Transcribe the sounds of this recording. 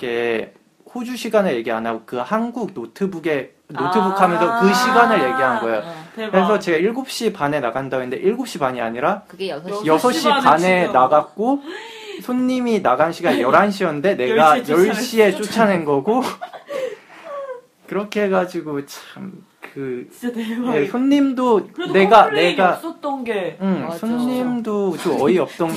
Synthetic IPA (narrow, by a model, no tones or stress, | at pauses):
k͈e̞ | hod͡ʑuɕʰiɡanɯɭje̞ɡiɦanaɡokɯhanɡuɡ̚notʰɯbuɡe̞ | notʰɯbukʰamjʌnsʰʌkɯɕʰiɡanɯɭje̞ɡiɦanɡʌe̞jokɯɾes̬ʰʌt͡ɕe̞ɡaiɭɡop̚ɕ͈ipane̞naɡandannde̞̰ʔiɭɡop̚ɕ͈ipaɲia̰ɲiɾa | jʌsʰʌɕ͈ipane̞naɡak͈o | sʰoɲɲiminaɡanɕʰiɡaɲjʌɾanɕʰiʌnnde̞ne̞ɡajʌɭɕ͈ie̞t͡ɕ͈ot͡ɕʰane̞nɡʌɡo | kɯɾʌkʰeɦeɡad͡ʑiɡot͡ɕʰam | kɯ | je̞sʰoɲːimdoe̞ɡane̞ɡa | ɯmsʰoɲɲimdot͡ɕoʌiʌp̚t͈ʌn